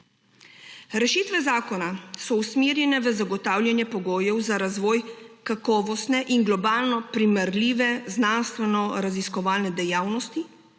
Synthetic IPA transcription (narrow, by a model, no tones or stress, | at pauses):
ɾɛʃiːt̪ʋɛzaːkɔnasɔusmiːɾjɛnɛʋəzaɡɔt̪aːwlʲjanjɛpɔɡoːjɛwzaɾazʋɔːjkakɔːʋɔst̪nɛʔiŋɡlɔbaːlnɔpɾimɛɾliːʋɛznanst̪ʋɛnɔɾaziskɔʋaːlnɛd̪ɛjaːwnɔst̪i